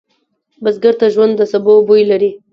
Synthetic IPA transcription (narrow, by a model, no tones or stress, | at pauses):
basɡəɾt̪aʒwand̪ːəsabobujlaɾi